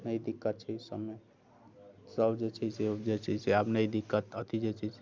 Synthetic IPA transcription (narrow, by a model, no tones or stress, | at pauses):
nəjd̪ikːət̪̚t͡ʃʰisəbːe | səbd͡ʒet͡ʃʰised͡ʒet͡ʃʰiseabnəjd̪ikːət̪ət̪ʰid͡ʒet͡ʃʰis